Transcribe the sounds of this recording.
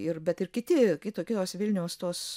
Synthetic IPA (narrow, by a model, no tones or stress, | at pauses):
ɪrbʲɛt̪ɪrkʲɪt̪ʲɪkʲɪt̪oːkʲɪt̪oːsʋʲɪlʲnʲɛʊst̪oːs